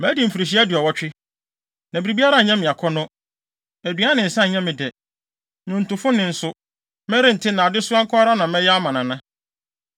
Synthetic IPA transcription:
mæ̃˨˦di˨m̩˨fu˨ɾi˨ɕ̬i˦æ˦dɪ˨ɔ˨wɔ˦t͡ɕᶣɪ˦ | nã˨bi˨ɾi˨bi˦a˦ɾa˦˨ɲã˦mɪ̃˨a˨kʰɔ˦nʊ̃˦ | æ˨dɥa˦nɪ̃˨n̩˨sã˦˨ɲã˦mɪ̃˨dɛ˨ | nʊ̃˨n̩˨tʊ˨fʊ̃˦nɪ̃˨n̩˨sʊ˦ | mɛ̃˦ɾɪ̃˦n̩˨tʰɪ˦nã˨a˨dɪ˦sʊ˦ã˦ŋ˦kʰʊ˦a˦ɾa˦nã˨mɛ̃˦jɛ˦a˦mã˨nã˨nã˦

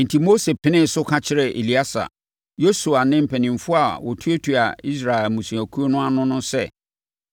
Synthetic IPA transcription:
n̩˨tʰi˨mo˦se˨pʰɪ˦nɪ̃˦˨sʊ˦kʰã˦t͡ɕʰɪ˦ɾɛ˨ʔḛ˨li˦a˦sa̰˨ | jo˦su˨a˨nɪ̃˦m̩˨pʰɛ˨nĩ˨m˨fʊ˦a˨wɔ˨tʰu˦e˦tʰu˨a̰˨i˦sɾa˨ɛ˨lmũ˨sũ˨æ˨kʰu˦o˦nʊ̃˦a˦nʊ̃˦nʊ̃˦sɛ̰˦˨

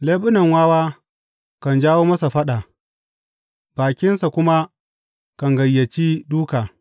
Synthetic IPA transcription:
leː˦ɓʊ˦nɐ˨ŋwaː˦waː˦ | kɐ˨nd͡ʒaː˦woː˦mɐ˦sa˨ɸɐ˦ɗa˨ | b̥aː˨kʲɪ˦nsa˨kʷʊ˦ma˦ | kɐ˨ŋɡɐ˨jːɐ˨t͡ʃiː˦duː˦kaː˨

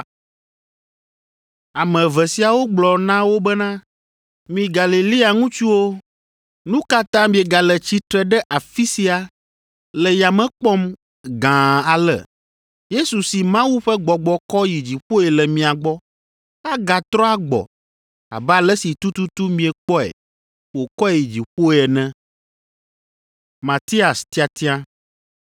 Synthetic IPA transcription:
a˨mɛ̃˨vɛ˨si˨a˨wo˦ɡ͡blɔ˨nã˦wo˦bɛ˦nã˦ | mĩ˨ɡa˨li˨li˦a˨ŋũ˦t͡ʃu˦wo˦ | nũ˦ka˦t̪ã˦mĩ˦ɛ˨ɡa˨lɛ˨t͡ɕi˦t̪ɾɛ˦ɖɛ˦ʔa˨fi˦si˦a˨ | lɛ˨ja˨mɛ̃˦k͡pɔ˦m | ɡã˨a˨lɛ̰˨ | je˦su˨si˨mã˦wu˦ɸɛ˦ɡ͡bɔ˨ɡ͡bɔ˨kɔ˦ji˨d͡ʑi˨ɸo˦ɛ˨lɛ˨mĩ˨a˨ɡ͡bɔ˦ | a˦ɡa˨t̪ɾɔ˦a˦ɡ͡bɔ̰˨ | a̰˨bɛ˦a˨lɛ˦si˨t̪u˦t̪u˦t̪u˦mĩ˨ɛ˨k͡pɔ˦ɛ̰˨ | wo˨kɔ˦˨ji˨d͡ʑi˨ɸo˦˨ɛ˨nɛ̃˦ | mã˨t̪i˦a˨st̪i˦a˨t̪i˦ã˦

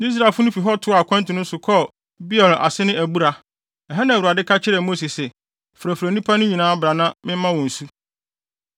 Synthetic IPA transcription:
i˦s̬ɾa˨lfʊ˦nʊ̃˦fi˨ɦɔ˦tʰʊ˦˨a˨kʷʰã˦n˦tʰɪ̃˨nʊ̃˦sʊ˨kʰɔ˦ | bi˦ɛ˨lʔa̰˨sɪ˦nɪ̃˦ʔæ˨bu˦ɾa˨ | ɛ˨ɦɛ˦nã˨u˨a˨dɪ˦kʰa˦t͡ɕʰɪ˦ɾɛ˨mo˦si˨sɛ˨ | fɾæ˨fɾæ˨nĩ˦pʰa˦nʊ̃˦ɲĩ˨nãː˦bɾa˨nã˦mɪ̃˦m˦mã˦wɔ̃˨n̩˨su˦

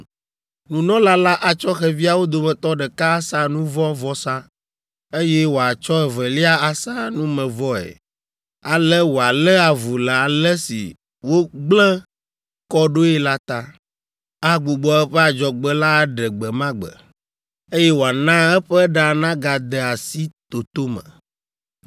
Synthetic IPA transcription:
nũ˨nɔ̃˦la˦la˦ʔa˨t͡ʃɔ˦xɛ˨vi˦a˨wo˦d̪o˨mɛ̃˨t̪ɔ˦ɖɛ˨ka˦sã˦nũ˦vɔ̃˦vɔ˦sã˦ | e˦jɛ˦wo˨a˨t͡ʃɔ˦ɛ˨vɛ˨li˦a˦a˨sã˦nũ˦mɛ̃˨vɔ˦ɛ̰˨ | a˨lɛ˦wo˨a˨lɛ˦a˨vu˨la˨a˨lɛ˦sḭ˨ | wo˦ɡ͡blɛ̃˦ | kɔ˦ɖo˦ɛ˦la˦t̪a˦ | a˦ɡ͡bu˨ɡ͡bɔ˨ɛ˦ɸɛ˦a˨d͡ʒɔ˨ɡ͡bɛ˦la˦ɖɛ˨ɡ͡bɛ˨mã˦ɡ͡bə̰˨ | e˦jɛ˦wo˨a˨nã˦ɛ˦ɸɛ˦ɖa˨nã˦ɡa˨d̪ɛ˨a˨si˦t̪o˨t̪o˦mə̰̃˨

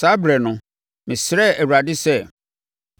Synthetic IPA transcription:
sa˦bɾɛ˨nʊ̃˨ | mɪ̃˨sɪɾɛ˦æ˨wu˨ɾa˨dɪ˦sɛ˦˨

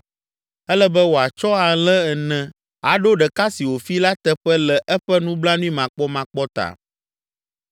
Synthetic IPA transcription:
ɛ˦lɛ˦bɛ˦wo˨a˨t͡ʃɔ˦a˨lɛ˦ɛ˨nɛ̃˦ | a˨ɖo˦ɖɛ˨ka˦si˨wo˨fi˦la˦t̪ɛ˦ɸɛ˦lɛ˨ʔɛ˦ɸɛ˦nũ˦bla˦nũ˦i˦mã˨k͡pɔ˦mã˨k͡pɔ˦t̪a̰˨

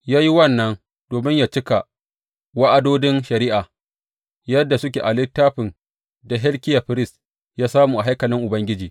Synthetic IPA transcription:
jaː˦ji˦wɐ˦˨nːɐ˦n | d̥oː˨mɪ˦ɲja˨t͡ʃɪ˦ka˨ | wa˦ʔa˦doː˦dɪ˦nʃɐ˨ɾiː˦ʔa˨ | jɐ˦dːa˨sʊ˦k̬ʲeː˨ʔa˨lɪ˦tːaː˦ɸɪ˨n | da˨ɦɛ˦lkʲɪ˦ja˨ɸɪ˦ɾɪ˦s | jaː˦saː˦mu˨ʔa˨ɦa˦jkɐ˨lɪ˦ŋʔʊ˨bɐ˦ŋɡʲɪ˦d͡ʒiː˨

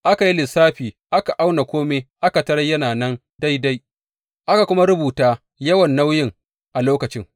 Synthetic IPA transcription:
ʔa˦ka˨ji˦lɪ˨saː˦ɸiː˨ | ʔa˦ka˨ʔa˦wna˨kʷoː˦me˦ʔa˦ka˨tɐ˦ɽɐ˦jɐ˦naː˨nɐ˦n | da˦jda˦j | ʔa˦ka˨kʷʊ˦ma˦ɾʊ˦buː˨taː˦ | jɐ˦wɐ˨nːa˦wjɪ˦ŋ | ʔa˨loː˦kɐ˨t͡ʃɪ˦ŋ

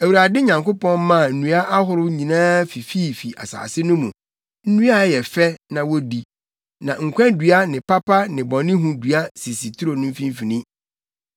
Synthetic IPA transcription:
æ˨wu˨ɾa˨dɪ˦ɲã˨ŋko˦pɔ̃˦n˦mã˦˨n̩˦˨nũ˨˦a˦ʔa˦ɦʊ˨ɾʊ˦ɲĩ˨nãː˦fi˨fi˦˨fi˨ʔa̰˨sa̰ː˨sɪ˦nʊ̃˦mũ˨ | n̩˦nũ˦a˦jɛ˨fɛ˦nã˨wɔ˦di˦ | nã˨ŋ̩˨kʷʰɛ̃˦ndɥa˦nɪ̃˨pʰa˦pʰa˦nɪ̃˨bɔ̃˨nɪ̃˦ɦũ˨du˨a˦si˨si˨t̪ʰu˦ɾo˨nʊ̃˦m̩˦fĩ˦m˦fi˨nĩ˦

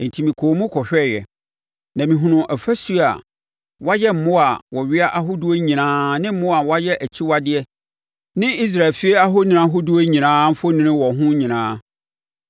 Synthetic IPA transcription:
n̩˨tʰi˨mĩ˨kʰoː˨˦mũ˦kʰɔ˨ɕᶣɛ˦˨jɛ̰˨ | nã˨mĩ˨ɦʊ̃˨nʊ̃˨ʔæ˨fæ˦su˦˨a̰˨ | wa˦jɛ˦m̩˨mʊ̃˦a˨wɔ˨ɥɪ˦a˦ʔa˦ɦʊ˦du˦o˦ɲĩ˨nãː˦nɪ̃˦m̩˦mʊ̃˦a˨wa˦jɛ˦ʔæ˨t͡ɕʰi˦wa˦dɪ˦ɛ˦ | nɪ̃˦i˦s̬ɾa˨fi˦e˦a˦ɦo˦nɪ̃˨ã˦ɦʊ˦du˦o˦ɲĩ˨nãː˦m̩˦fo˦nɪ̃˨nɪ̃˦wɔ˨ɦʊ̃˦ɲĩ˨nãː˦

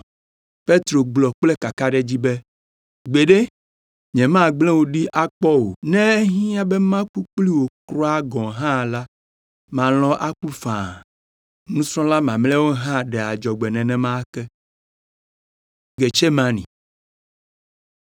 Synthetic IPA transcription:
pe˦t̪ɾo˨ɡ͡blɔ˨k͡plɛ˦ka˨ka˦ɖɛ˦d͡ʑi˦bɛ˦ | ɡ͡be˨ɖe˦ | ɲɛ̃˨mã˦ɡ͡blɛ̃˦wo˨ɖi˦ʔa˦k͡pɔ˦wo˨nɛ̃˦ɦĩ˦a˦bɛ˦mã˦ku˦k͡pli˦wo˨kɾɔ˦a˦ɡɔ̃˨ɦã˦˨la˦ | mã˨l̃ɔ̃˦ʔa˦ku˦fã˨ | nũ˦sɾɔ̃˦la˦mã˨mlɛ˦wo˦ɦã˦ɖɛ˨a˨d͡ʒɔ˨ɡ͡bɛ˨nɛ̃˨nɛ̃˨mã˦kɛ˦ | ɡe˨t͡ʃe˦mã˦nḭ̃˨

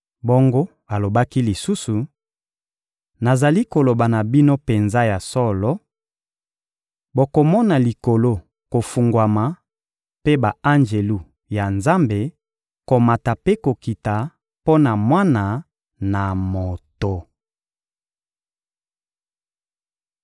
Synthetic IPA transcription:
bo˦ŋɡo˦ | a˨lo˨ba˦ki˦li˨su˦su˨ | na˨za˨li˦ko˨lo˨ba˨na˨bi˦no˦pe˨nza˦ja˨sɔ˦lɔ˦ | bo˨ko˨mɔ˦na˨li˨ko˨lo˦ | ko˨fu˨ŋɡwa˨ma˨ | pe˦ba˨a˦nd͡ʒe˨lu˦ | ja˨nza˦mbe˨ | ko˨ma˨ta˨pe˦ko˨ki˨ta˨ | po˦na˨mwa˦na˨ | na˨mo˨to˨

